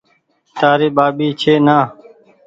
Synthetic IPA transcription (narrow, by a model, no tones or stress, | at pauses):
t̪aːɾeːɓaːɓiːt͡ʃʰeːnaː